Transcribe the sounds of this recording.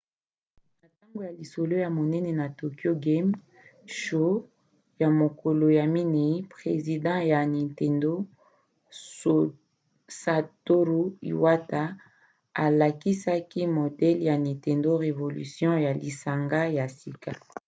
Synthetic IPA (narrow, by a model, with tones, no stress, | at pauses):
na˨ta˦ŋɡo˨ja˨li˨so˨lo˦ja˨mo˨nɛ˦nɛ˨na˨to˨ki˦o˦ɡe˦m | ʃo˦ | ja˨mo˨ko˨lo˨ja˨mi˦ni˨˦pχe˨zi˨dɑ̃˦ja˨ni˨te˨ndo˦ | so˨ | sa˨to˦ɾu˦ḭ˨wa˦ta˦ | a˨la˨ki˦sa˦ki˦mo˨dɛ˦lja˨nĩ˨te˨ndo˦ʁe˨vo˨ly̰˨sjɔ̃˦ja˨li˨sa˨ŋɡa˦ja˨si˨ka˨